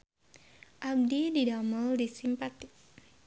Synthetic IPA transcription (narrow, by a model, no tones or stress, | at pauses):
ʔab̚dididamaldisimpat̪ɪk̚